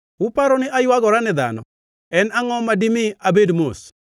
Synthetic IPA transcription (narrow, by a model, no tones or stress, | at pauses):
ʊpaɾɔnɪʔajwaɡɔɾanɪd̪a̰nɔ | ɛnaŋɔmadimɪabedmos